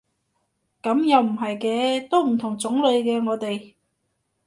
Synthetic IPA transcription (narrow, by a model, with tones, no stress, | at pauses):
kɐ˨˥mjɐ˨˧wm̩˨˩ɦɐ˨jkɛː˧t̪o˥wm̩˨˩t̪ʰʊ˨˩ŋt͡sʊ˨˥ŋlɵ˨˧ɥkɛː˧ŋɔː˨˧t̪e˨j